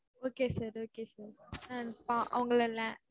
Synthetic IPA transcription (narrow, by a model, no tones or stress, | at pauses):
oːkesaɾoːkesaɾãnpãʔɐ̰ʋɐ̃ŋɡɐɭɛlːã